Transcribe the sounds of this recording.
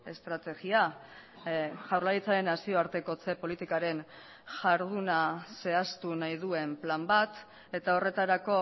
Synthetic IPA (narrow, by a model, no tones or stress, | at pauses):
e̞st̪ɾat̪e̞ɣia | ʝawɾlait͡saɾe̞nasio̞aɾt̪e̞ko̞t͡se̞polit̪ikaɾe̞n | ʝaɾðunase̞ast̪unajðue̞mplambat̪ | e̞t̪ao̞re̞t̪aɾako̞